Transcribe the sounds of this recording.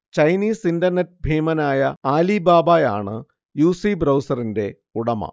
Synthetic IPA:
t͡ɕɐjniːsindɐrnet̚ːbʱeːmɐnaːjɐaːlibaːbaːja̰ːɳɨ | juːsibrɐwsɐrinde̞ | uɽɐmɐ̰

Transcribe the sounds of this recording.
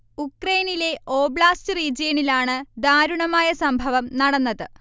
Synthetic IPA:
ukrɐjnile̞o̞ːbɭaːstɨriːd͡ʑijɐnilaːɳɨd̪aːɾuɳɐmaːjɐsɐmbʱɐʋɐmnɐɽɐnːɐðɨ

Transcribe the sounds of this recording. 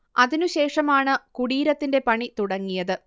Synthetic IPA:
ɐðinuɕe̞ːʂɐmaːɳɨkuɽiːɾɐt̪ːinde̞pɐɳit̪uɽɐŋːijɐðɨ

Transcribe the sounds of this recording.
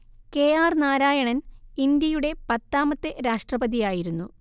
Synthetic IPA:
keːaːrnaːɾaːjɐɳɐnind̪jɐjuɽe̞pɐt̪ːaːmɐt̪ːeɾaːʂʈrɐbɐðijaːjiɾunːu

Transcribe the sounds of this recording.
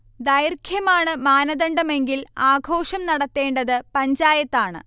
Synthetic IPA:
d̪ɐjrkʰjɐmaːɳɨmaːnɐðɐɳɖɐme̞ŋɡilaːɡʱo̞ːʂɐmnɐɽɐt̪ːe̞ːɳɖɐðɨpɐɲd͡ʑaːjɐt̪ːaːɳɨ̰

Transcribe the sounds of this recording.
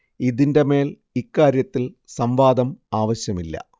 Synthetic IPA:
iðinde̞me̞ːl | ikːaːɾjɐt̪ːil | sɐmʋaːd̪ɐmaːʋɐɕjɐmilːɐ̰

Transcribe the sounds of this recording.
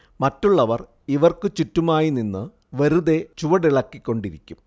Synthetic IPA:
mɐtːuɭːɐʋɐr | iʋɐrkɨt͡ɕutːumaːjininːɨ | ʋeɾuðe̞t͡ɕuʋɐɽiɭɐkːikʲːo̞ɳɖiɾikʲːum

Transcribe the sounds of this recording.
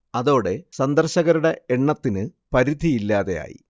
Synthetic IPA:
ɐðo̞ːɽe̞sɐnd̪ɐrɕɐɣɐɾuɽe̞eɳːɐt̪ːinɨpɐɾid̪ʱiilːaːðe̞ja̰ːjḭ

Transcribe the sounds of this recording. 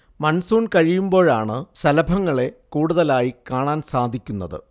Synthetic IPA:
mɐnsuːɳkɐɻijumbo̞ːɻaːɳɨɕɐlɐbʱɐŋːɐɭe̞kuːɽuðɐlaːjikaːɳaːnsaːd̪ʱikʲːunːɐðɨ̰

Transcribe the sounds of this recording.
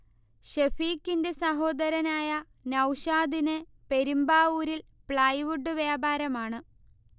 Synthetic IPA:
ɕefiːkːinde̞sɐɦo̞ːd̪ɐɾɐnaːjɐ | nɐwɕaːd̪ine | pe̞ɾumbaːuːɾilpɭɐjʋuɖːɨʋjaːbaːɾɐmaːɳɨ

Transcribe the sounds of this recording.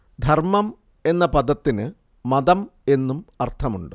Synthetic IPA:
d̪ʱɐrmɐm | e̞nːɐpɐd̪ɐt̪ːinɨ | mɐd̪ɐme̞nːumɐrt̪ʰɐmuɳɖɨ

